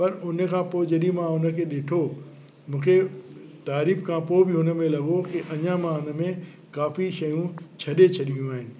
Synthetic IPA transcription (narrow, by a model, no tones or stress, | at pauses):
pɐɾʊnə̆kʰãːpoːɪd͡ʑɐɗĩmãʊnə̆kʰeːɗeːʈʰo | mũːkʰet̪aːɾiːfkʰãpobɪɦʊnə̆mẽlɐɠokiʔɐɲãmãʊnə̆mẽ | kaːfiʃɐjũt͡ɕʰɐɗet͡ɕʰɐɗiũaːɦɪnɪ̆